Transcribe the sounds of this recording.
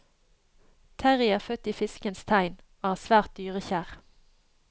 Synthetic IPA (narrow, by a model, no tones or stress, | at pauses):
t̪ʰæʁɪəʁfœt̪iːfɪskənst̪ʰæɪnoːhæːsʋæːʁt̪̚d̪yːʁəçæːʁ